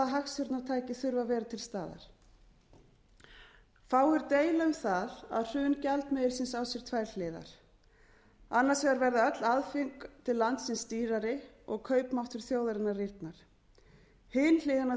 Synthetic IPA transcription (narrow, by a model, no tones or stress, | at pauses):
ɦaxsʏɾt̪nawt̪ʰaːjcɪθʏɾvavɛːɾat̪ʰɪlst̪aːða̰ɾ̥ | faːwʏɾt̪eːjlaʏmθaða̰ðr̥ʏːncɛlt̪mejɪɾ̥sɪnsawsjɛɾ̥t̪ʰvaːjɾ̥l̥ɪːða̰ɾ̥ | anːaɾsɛaɾvɛɾðaœt̪laðfɪŋkt̪ʰɪlːant̪sɪnsːt̪iːɾaɾɪ | ɔɣkʰœːɥpmawht̪ʏɾ̥θjoːwðaɾɪnːarir̥t̪naɾ̥ | hɪnl̥ɪːðana